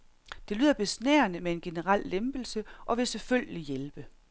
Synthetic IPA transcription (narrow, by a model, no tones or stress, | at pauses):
d̥e̝ly̰ð̰ˠɐb̥e̝snḛːɐnəmee̝nɡ̥e̝nəʁɑl̰ːemb̥l̩səʔɒ̽ʋe̝selføl̰jɡ̥əlijelb̥ə